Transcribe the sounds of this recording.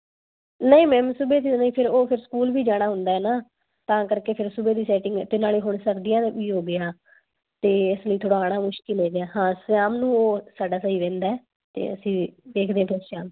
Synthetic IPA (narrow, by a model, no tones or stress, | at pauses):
nəĩːmɛ̃ːmsʊbeːt̪inaĩːpʰɪɾoːpʰɪɾskuːlbiːd͡ʒaːɽ̃aːɦʊnd̪aːɛːnaː | t̪ãːkəɾkeːpʰɪɾsʊbeːd̪iːsɛːʈɪŋɡt̪ɪnaːliːɦʊɳsəɾd̪ɪjãːd̪iːɦoːɡɪaː | t̪eːɪsləiːt̪ʰoːɽaːɽaːmʊʃkɪlɦeːɡejaːɦãːsjaːmnũːoːsaːɖaːsəiːʋẽːnd̪aːɛː | t̪ḛːə̰sĩːd̪eːkʰd̪ẽãpʰɪɾʃaːm